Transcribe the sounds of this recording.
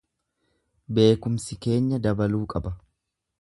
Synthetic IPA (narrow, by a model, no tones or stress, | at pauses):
be̞ːkʊmsɪke̞ːɲːɐd̪ɐbɐluːkʼɐbɐ